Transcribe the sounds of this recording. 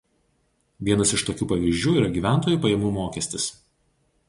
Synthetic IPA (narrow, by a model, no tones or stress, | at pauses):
ʋʲiɛnɐsɪʃt̪oːkʲuːpɐʋʲiˑzʒʲd͡ʒʲuːiːɾɐɡʲiːʋʲæˑnt̪oːjuːˑpɐjɛmuːmoːkʲɛsʲt̪ʲɪs